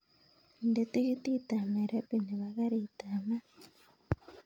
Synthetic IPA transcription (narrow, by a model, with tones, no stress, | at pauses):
nde˨˦t̪i˦ki˦ti˦ta˨me˨ɾe˦pi˨ni˨βa˨ɣa˦ɾi˨ta˨ma˦